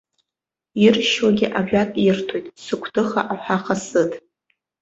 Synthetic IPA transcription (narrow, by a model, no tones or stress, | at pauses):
irʃwaɡʲɪʔaʕᶣʷatʼirtʰojtʼsɨkʷʰtʰɨχa̰ʔaħʷᶣaχʰasɨtʼ